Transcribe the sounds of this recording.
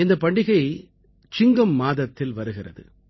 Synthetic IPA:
ɪnd̪ɐpɐɳɖɪɣɐɪ | t͡ʃɪŋɡɐmːaːðɐt̪ːɪlʋɐɾɯɣɪrɐ̰ðɯ̰

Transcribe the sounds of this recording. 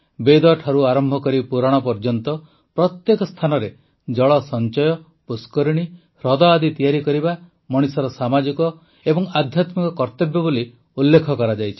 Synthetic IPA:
bed̪ɔʈʰaɾuaɾɔmbʱɔkɔɾipuɾaɽ̃ɔpɔɾd͡ʒɔnt̪ɔ | pɾɔt̪jekɔst̪ʰanɔɾe | d͡ʒɔɭɔsɔnt͡ʃɔjɔ | puskɔɾiɽ̃i | ɾɔd̪ɔad̪it̪ijaɾikɔɾiba | mɔɽ̃isɔɾɔsamad͡ʒikɔ | ebɔŋad̪ʱjat̪mikɔkɔɾt̪ebjɔboli | ulːekʰɔkɔɾad͡ʒajt͡ʃʰi̥

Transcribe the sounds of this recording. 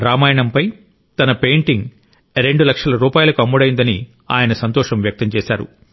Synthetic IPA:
ɾaːmaːjɐɳɐmpɐj | t̪ɐnɐpe̞jɳʈiŋɡ | ɾe̞ɳɖulɐkʂɐlɐɾuːpaːjulɐkuɐmːuɽɐjind̪ɐni | a̰ːjɐnɐsɐnt̪ɔːʂɐmʋjɐk̚t̪ɐmt͡ʃɛːsa̰ːɾṵ

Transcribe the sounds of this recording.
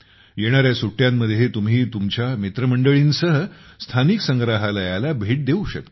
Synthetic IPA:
jeɽ̃aɾjasuʈːjamːəd̪ʱjet̪umɦiːt̪umt͡ɕjamit̪ɾəməɳɖəɭiːnsəɦəst̪ʰaniksəŋɡɾaɦalajalabʱeʈ̚d̪euɕə̰k̚t̪

